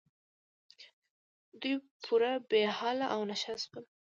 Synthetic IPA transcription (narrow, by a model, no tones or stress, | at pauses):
d̪uj | pʰuɾabehɑlaʔawnaʃɑskəl